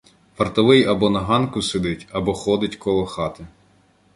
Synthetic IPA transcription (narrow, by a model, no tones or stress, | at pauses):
fɐrt̪ɔʋɪjɐbɔnɐɦɑnkʊsed̪ɪtʲɐbɔxɔd̪ɪtʲkɔlˠɔxɑt̪ɪ